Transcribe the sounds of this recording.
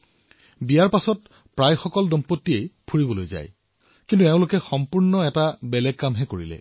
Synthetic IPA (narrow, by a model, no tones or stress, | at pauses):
bijaɹpasɔt | pɹajxɔkɔldɔmpotːiejpʰuɹibɔlojza̰j | kintuɛʊ̃lokɛxɔmpuɹnɔɛtabɛlɛɡ̚ːamɦɛkoɹḭlɛ̰